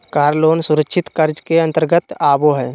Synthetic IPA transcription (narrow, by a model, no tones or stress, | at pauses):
kaːɾloːnsʊɾəkʃʰɪt̪kəɾd͡ʒkeɐ̃nt̪əɾɡət̪aːboɦɛː